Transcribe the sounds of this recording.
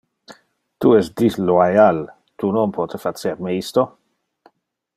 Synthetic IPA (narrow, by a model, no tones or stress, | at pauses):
t̪uɛsd̪isloajal | t̪unonpʰɔt̪efat͡seɾmeist̪o